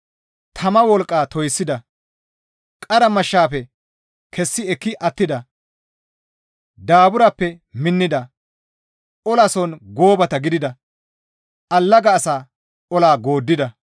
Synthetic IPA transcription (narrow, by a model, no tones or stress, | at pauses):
t̪ʰɐmɐwɔlkʼːaːt̪ɔjsːɪd̪ɐ | kʼɐɾɐmɐʃːaːpɛ | kʰɛsːɪɛkːɪʔɐt̪ːɪd̪ɐ | d̪aːbʊɾɐpːɛ | mɪnːɪd̪ɐ | ʔɔlɐsɔnɡoːbɐt̪ɐɡɪd̪ɪd̪ɐ | ʔɐlːɐɡɐːsaː | ʔɔlaːɡoːd̪ːɪd̪ɐ